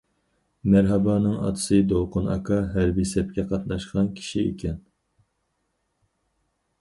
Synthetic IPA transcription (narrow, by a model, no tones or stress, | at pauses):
mæɾɦɛbɑːnɨŋɑ̰t̪ʰɨ̥sɨd̪owqʰʊnɑ̰kʰɑɦæɾbisɛp̚kʲɛqʰɑt̪nɑʃqɑnkʲʰi̥ʃiḛkʲʰɛn